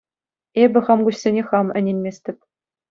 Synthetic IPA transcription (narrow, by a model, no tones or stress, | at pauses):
ebʲɘ̆χɑmɡuɕsʲenʲeχɑmɘ̆nʲenʲmʲesʲt̪ʲɘ̆p̚ʲ